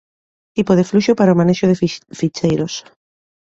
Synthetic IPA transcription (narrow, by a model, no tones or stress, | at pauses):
t̪ipoð̞efluʃopaɾaomaneʃoðeffit͡ʃejɾos